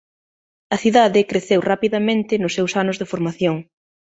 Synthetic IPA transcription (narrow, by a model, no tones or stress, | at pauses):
ɐθiðaðɪkɾeθewrapiðamẽnt̪ɪnʊsːewsanʊzðefoɾmaθjoŋ